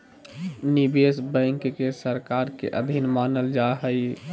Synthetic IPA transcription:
nibesbə̃ɪŋkkesəɾkaɾkḛʔəd̪ʱinmanəld͡ʒaɦəj

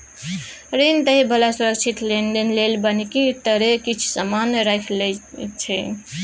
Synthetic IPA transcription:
ɾent̪əɦibəlasuɾək̚t͡ʃʰit̪lend̪enlelbənikit̪ːəɾekit͡ʃʰu̥samanɾajkʰlet͡ʃʰɛ̰

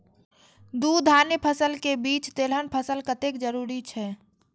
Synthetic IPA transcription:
d̪ud̪ʱanəpʰəsəlkebiːt͡ʃt̪elɦənpʰəsəlkət̪ekd͡ʒəɾuːɾit͡ʃʰɛː

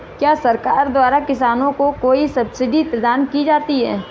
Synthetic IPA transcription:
kjaːsɐɾkaːɾd̪waːɾakɪsaːnõkokoːisɐbsɪɖipɾɐd̪aːnkid͡ʒaːt̪iɦɛː

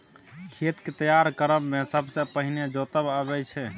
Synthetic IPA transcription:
kʰet̪ket̪əjaɾkəɾəmːesəbsə̃pəɦined͡ʒot̪əbəbɛt͡ʃʰɛ

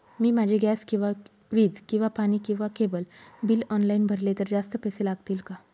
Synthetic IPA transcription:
miːmad͡ʑʱeɡæskĩw̃ʋa | ɾiːd͡zkĩw̃ʋapañiːkĩw̃ʋakebəlbiːlɔnlainbʱəɾlet̪əɾd͡zast̪əpəselaɡt̪iːlka

